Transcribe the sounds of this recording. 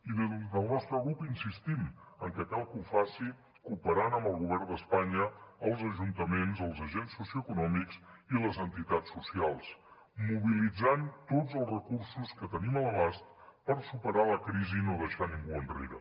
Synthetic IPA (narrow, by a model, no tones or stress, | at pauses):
iðezzðəlˠnɔst̪ɾəɣɾupinsist̪iməŋkəkalˠkufasi | kupəɾanəmbəlˠɣuβ̞ɛrnd̪əspaɲəəlˠzəʒunt̪əmenzəlˠzəʒensːusiuəkunɔmiksiləzənt̪it̪at͡ssːusialˠs | muβilid͡zant̪od͡zəlˠzrəkursuskət̪ənimələβast̪̚pəɾsupəɾaləkɾizinoðəʃaniŋɡuənrḛɾə̰